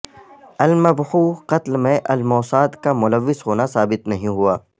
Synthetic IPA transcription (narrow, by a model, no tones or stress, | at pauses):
ɐlmɐbhuːqɐt̪lmẽʔɐlmɔːsaːt̪kamʊləʋːɪzɦoːnasaːbɪt̪nɐɦĩɦuaː